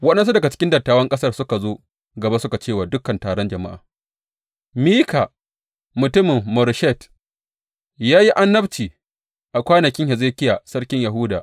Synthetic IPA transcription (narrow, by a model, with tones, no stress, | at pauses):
wɐ˦ɗɛ˦ns̬u˦dɐ˨ɡa˨t͡ʃɪ̥˦kʲɪ˦ndɐ˨tːaː˨wɐ˦ŋkʼɐ˦sɐ˦rsʊ˦ka˨zoː˦ | ɡɐ˨ba˦sʊ˦ka˨t͡ʃeː˦˨waː˨dʊ˦kːɐ˨ntaː˨ɽɔ˦nd͡ʒɐ˨ma̰˦ʔa̰ː˨ | miː˦kʰa˨ | mʊ˨tʊ˦mɪ˨mːɔ˨ɾʃɛ˦˨t | jaː˦ji˦ʔa˦nːɐ˦bt͡ʃiː˨ | ʔa˨kʷaː˦nɐ˨kʲɪ˦ŋhɛ˨zeː˦kʲɪ˦jaː˨sɐ˦rkʲɪ˦ɲja˨ɦʊː˦daː˨ʔ